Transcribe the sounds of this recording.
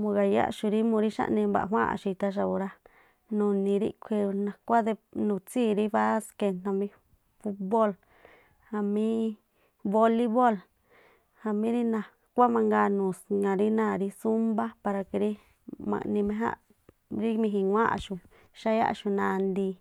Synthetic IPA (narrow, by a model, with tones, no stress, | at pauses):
mũ˧ɣa˨ja̰˦ʔʃu˧ɾi˦mũ˧ɾi˦ʃa̰˦ʔnĩ˧ba̰˨ʔɦʷwã̰˦ʔa̰˨ʃu˧i˧t̪a˧ʃ̬a˧u˧ɾa˦ | nũ˧nĩ˧ɾḭ˦kʷʰi˧u˧nã˨kʷa˦ðe˧nũ˧˨t͡siː˦˨ɾi˦βa˦ske˧n̥ã˧mĩ˧ | fu˦bo˦l | ha˧mĩ˦ | βo˧li˦βo˦˨l | ha˧mĩ˦ɾi˦nã˧ | kʷa˦mã˧ŋɡa˧nũ˨ŋã˨ɾi˦nã˦˨ɾi˧su˦mba˦pa˧ɾa˧ke˧ɾi˦ | mã̰˧nĩ˧mẽ˧ɦã̰˦ | ɾi˦mĩ˧ɦĩ˧ŋʷã˦ʔa̰˧ʃu˧˨ | ʃa˦ja̰˦ʔʃu˧nã˧nd̪i˧